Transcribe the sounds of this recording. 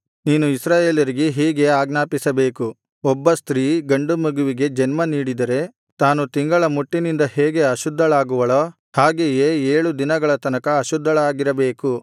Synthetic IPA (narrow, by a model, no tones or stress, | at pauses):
niːnuisɾaːjeːljɐɾiɡeɦiːɡe̞aːɡnaːpisɐbe̞ːku | ɔbːɐst̪ɾiːɡɐɳɖumɐɡuʋiɡe̞d͡ʒɛnmɐniːɽid̪ɐɾe̞ | t̪aːnut̪iŋɡɐɭɐmuʈːinind̪ɐhɛːɡe̞ɐʃud̪ʱːɐɭaːɡuʋɐɭoː | haːɡejeːeːɭud̪inɐɡɐɭɐt̪ɐnɐkɐːʃud̪ʱːɐɭaːɡiɾɐbe̞ːku